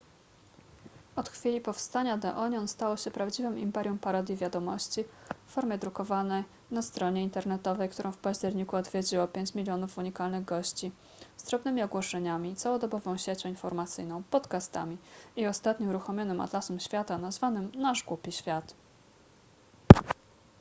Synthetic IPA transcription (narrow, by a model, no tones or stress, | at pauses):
ɔt̪xfʲilʲipɔfst̪aɲad̪ɛ̰ʔɔɲɔnst̪awɔɕɛpɾavd͡ʑivɘmimpɛɾʲjumpaɾɔd̪ʲjivʲjad̪ɔmɔɕt͡ɕifːɔɾmʲjɛd̪ɾukɔvanɛj | nast̪ɾɔɲɛint̪ɛɾnɛt̪ɔvɛjkt̪uɾʔɔ̃w̃fpaʑd͡ʑɛɾɲikuɔd̪vʲjed͡ʑiwɔpʲjeɲt͡ɕmʲilʲjɔnufuɲikalnɘɣɡɔɕt͡ɕi | zd̪ɾɔbnɘmʲiɔɡwɔʂɛɲamʲit̪sawɔd̪ɔbɔvɔ̃w̃ɕet͡ɕɔ̃infɔɾmat̪sɘjnɔ̃w̃pɔt̪kast̪a̰mʲiiɔst̪at̪ɲɔuɾuxɔmʲɔnɘma̰d̪lasɛmɕfʲjat̪anazvanɘmnaʐɡupʲiɕfʲjat̪